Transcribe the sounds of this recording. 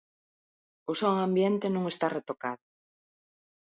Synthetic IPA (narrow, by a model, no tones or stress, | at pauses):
osoŋãmbjent̪enũŋest̪aret̪okaðʊ